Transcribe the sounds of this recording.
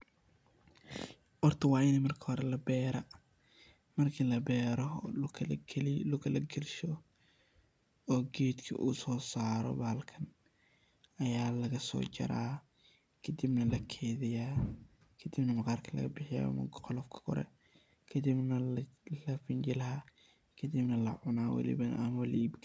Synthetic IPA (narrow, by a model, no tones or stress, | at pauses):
ʔɔrt̪ʰɐwɑːɪnɛːmɐrkʰɐ̥hɔɾɛlɐbɛːɾɐ | mɐrkʰilɐbɛːɾɔ | llʊkɐlɐɡɛlʃɔ | ɔːɡiːd̪kʰɐ̰ʔṵːsɔːsaːɾɔ̰baːlkʰɐn | ɐjaːlɐɣɐsɔ̰ːt͡ʃɐ̰ɾaː | kʰɐd̪ibnɐlɐkʰeːðɪja | kʰɐd̪ibnɐmɑqɑːrkʰɐlɐ̰ɣɐbɪħɪja̰mɐ̰ɡqɔlɔfkʰɐ̥kʰɔ̰ɾɛ̰ | kʰɐd̪ibnɐllɐfɪnt͡ʃɪlɐɦa | kʰɐd̪ɪbnɐlɐʕʊnaːwɐ̰lɪ̰βɐnʔɐmɐlʔiːbkʰ